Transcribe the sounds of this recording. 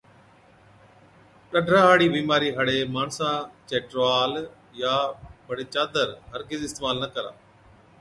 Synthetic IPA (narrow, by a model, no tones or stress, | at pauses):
ʈəɖʱɾaːɦaːɽiːbiːmaːɾiːɦəɽeːmaːɳsãːt͡ʃeːʈɾaːl | jaːbəɽeːt͡ʃaːd̪əɾɦəɾɡɪzɪst̪eːmaːlnəkəɾa̰ː